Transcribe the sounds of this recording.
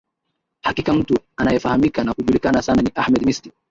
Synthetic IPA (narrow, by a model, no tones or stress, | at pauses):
hakikam̩tuanajɛfahamikanakuʄulikanasananiʔahmɛd̪misti